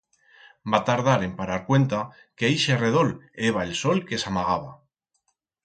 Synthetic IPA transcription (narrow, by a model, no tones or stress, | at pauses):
bat̪aɾð̞aɾe̞mpaɾaɾkwe̞nt̪a | ke̞jʃere̞ð̞o̞le̞β̞aelso̞lke̞samaɣ̞aβ̞a